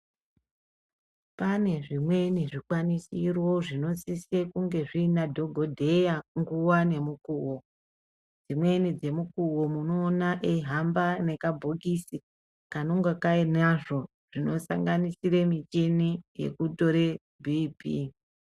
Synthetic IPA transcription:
pane̞ʐimwe̞niʐikwanisirwo̞ʐino̞sisekuŋɡe̞ʐiːnadʱo̞ɡʱo̞dʱe̞jaŋɡuwane̞mukuwo | d͡zimwe̞nid͡ze̞mukuwo̞muno̞ːnaʔeɦambane̞kabʱoɡisi | kanoŋɡakaenaʐo̞ | ʐ̥ino̞sa̰ŋɡanisiremit͡ʃinije̞̰kuto̞ɾe̞ | bʱipḭ

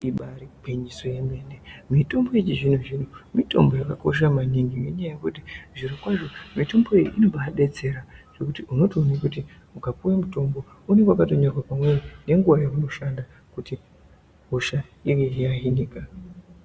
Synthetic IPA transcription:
iɓaɾipeɲisoje̞me̞ːnemito̞mbo̞et͡ʃiʐin̤oʐinomito̞̰mbo̞jakako̞ʃ̬amaniŋɡijeɲaajekutiʐirokwaʐo̞mito̞mbo̞ejḭʔino̞baaɗe̞t͡se̞ɾaʐ̥e̞kutiʔuno̞tonikuti | ukakuwemuto̞mbo̞ | unekwakato̞ɲorwapamwe̞wene̞ŋɡuʋajeruno̞ʃanda | kuti | ɦoʃaiɡeijaɦinika

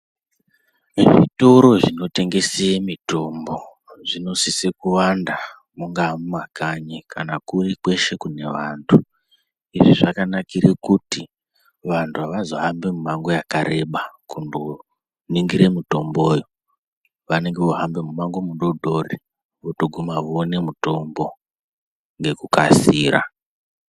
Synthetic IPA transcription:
ʐḭtoɾo̞ʐino̞te̞ŋɡe̞sejemito̞mbo̞ | ʐino̞sisekuʋanda | muŋɡamumakaɲekʰanakurikwe̞ʃe̞kune̞̰ʋantʰu | iʐiʐakanakiɾekuti | ʋantʰuaʋazo̞ɦambe̞mumaŋɡo̞jakaɾʔe̞ɓakundo | niŋɡiɾe̞muto̞mboːjo | ʋane̞ŋɡe̞ʋoɦambe̞mumaŋɡo̞muɗo̞dʱo̞ri | ʋotoɡʱumaʋone̞muto̞mbo̞ | ŋɡe̞kukasiːɾa̰

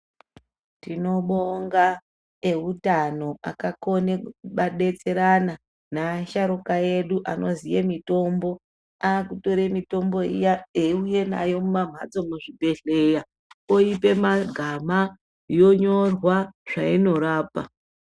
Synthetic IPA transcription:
tino̞ɓoŋɡa | e̞ɦutano̞a̰kako̞neɓaɗe̞t͡se̞ɾana | naʃaɾukae̞ɗuʔano̞zijemito̞mbo̞ | akuto̞ɾe̞mito̞mbo̞ḭjaeuje̞na̰jo̞mumam̤a̰t͡so̞muʐibe̞ɬe̞ja | oipe̞maɡʱama | jo̞ɲo̞rwaʐ̥aino̞ɾaːpa̰

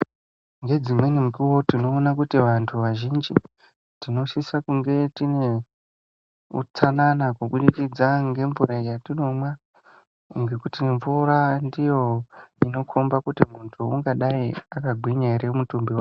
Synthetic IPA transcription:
ŋɡe̞d͡zimwe̞nimukuwo̞tino̞ːnakutiʋantʰuʋaʒind͡ʒi | tino̞ʃisakuŋɡe̞tine̞ | ṵt͡sananakuɓuɗikid͡zaŋɡe̞ɱvuɾajatino̞mwa | ŋɡe̞kutiɱvuɾandijo̞ino̞kʰombakutimuntʰuuŋɡaɗaiakaɡʱwiɲaɾemutumbiwaːjo

